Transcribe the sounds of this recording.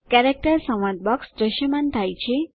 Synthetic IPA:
kɛɾek̚ʈəɾsə̃ʋãd̪̚bɔksɖ̪ɾəʃjəmant̪ʰajt͡ʃʰe

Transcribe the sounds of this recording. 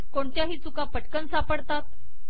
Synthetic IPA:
koɳt͡ɕ̪jaɦiːt͡sukapəʈkənsapəɽt̪at̪̚

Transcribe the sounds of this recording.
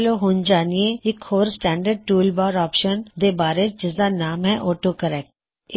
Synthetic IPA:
loɦʊ̃nd͡ʒaːnieɪkhoːɾsʈɛ̃ːɳɖəɾɖ̚ʈuːlbaːɾɔːpʃənd̪eːbaːɾed͡ʒɪsd̪anaːmɦɛʔoːʈokəɾɛːk̚ʈ̚

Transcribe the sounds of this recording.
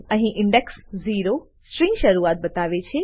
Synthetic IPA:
ə̃ɦĩʔɪ̃ɳɖeksziɾo | sʈɾĩŋɡʃəɾuat̪̚bət̪aʋet͡ʃʰe

